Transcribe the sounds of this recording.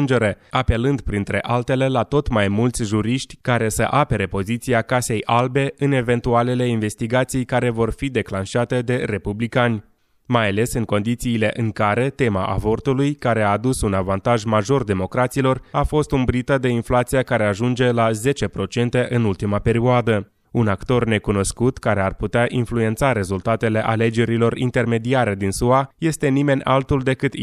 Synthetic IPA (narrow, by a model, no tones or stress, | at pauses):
nd͡ʒe̞ɾe̞ape̞lɨnd̪pɾint̪ɾe̞ʔalt̪e̞le̞lat̪o̞t̪majmult̪sʲʒuɾiʃt̪ʲkaɾe̞sə̰ʔape̞ɾe̞po̞zit̪siakase̞jʔalbe̞ɨne̞ve̞nt̪uale̞le̞inve̞st̪iɡat̪sijkaɾe̞vo̞rfid̪e̞klanʃat̪e̞d̪e̞ɾe̞publikanʲ | majale̞sɨŋko̞nd̪it̪siːle̞ʔɨŋkaɾe̞t̪e̞ma̰ʔa̰vo̞rt̪ulujkaɾe̞aːd̪usunavant̪aʒmaʒo̞rd̪e̞mo̞kɾat̪silo̞rafo̞st̪umbɾit̪əd̪e̞inflat̪sijakaɾe̞aʒund͡ʒe̞laze̞t͡ʃe̞pɾo̞t͡ʃe̞nt̪e̞ʔɨnult̪imape̞ɾioad̪ə | unakt̪o̞rne̞kuno̞skut̪kaɾe̞arput̪eaʔinflue̞nt̪saɾe̞zult̪at̪e̞le̞ʔale̞d͡ʒe̞ɾilo̞rḭnt̪e̞rme̞d̪iaɾe̞d̪insuaje̞st̪e̞nime̞nʲʔa̰lt̪uld̪e̞kɨt̪